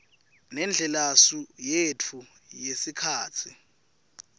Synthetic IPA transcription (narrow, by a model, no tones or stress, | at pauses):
nɛnd͡ɮʱɛlasujetʰu | jesikʰaːt͡sʰi